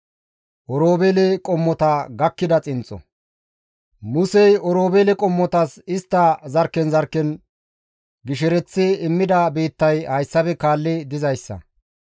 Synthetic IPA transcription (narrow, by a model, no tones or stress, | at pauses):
ʔɔɾoːbelɛkʼɔmːɔt̪ɐɡɐkːɪd̪ɐt͡sʼɪnt͡sʼːɔ̰ | mʊsɛjɔɾo̞ːbelɛkʼɔmːɔt̪ɐsɪst̪ːɐzɐɾkːɛnzɐɾkːɛn | ɡɪʃɛɾɛt͡sːɪɪmːɪd̪ɐbe̞ːt̪ːɐjhɐjsːɐbɛkaːlːɪd̪ɪzɐjsːɐ̰